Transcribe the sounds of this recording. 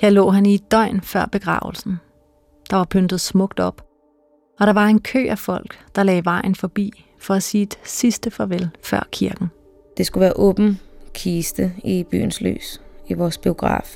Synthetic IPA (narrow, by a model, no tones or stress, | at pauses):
hjeɐlɔ̰ːɦænid̥ɒɪ̰nfɶɐ̰b̥e̝ɡ̥ʁɑ̰̈ːʊl̩sn̩ | d̥ɑ̈ʋɑ̈pʰønd̥ð̩ˠsmɔ̽ɡ̥̚d̥ɒ̽b̥ | ɒ̽ɾ̥ɑ̈ʋɑ̈e̝nkʰø̰ːæfɒ̽l̰ɡ̥d̥ɑ̈lɛːʋɑ̈ɪ̰n̩fɒ̽b̥ḭː | fɒ̽æsiːd̥sisd̥əfɒʋelfɶɐ̰kʰiɐɡ̥n̩ | d̥e̝sɡ̥uʋæːɐʔɔːb̥n̩kʰiːsd̥əib̥y̰ːn̩sly̰ːsiʋɒːsb̥io̝ɡ̥ʁɑ̰̈ːf